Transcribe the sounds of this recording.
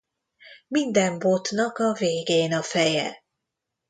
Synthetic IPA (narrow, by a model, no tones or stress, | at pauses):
mind̪ɛmbo̞t̪nɒkɒveːɡeːnɒfɛjɛ̰